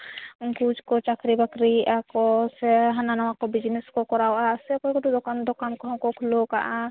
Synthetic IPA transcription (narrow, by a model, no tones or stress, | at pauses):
kud͡ʒkɔt͡ʃakɾibakɾiʔakɔsɛɦananawakɔbid͡ʒnɛskɔkɔɾawʔasɛkɔjkɔʈud̪ɔkand̪ɔkankɔɦɔ̃kɔkʰloka̰ʔa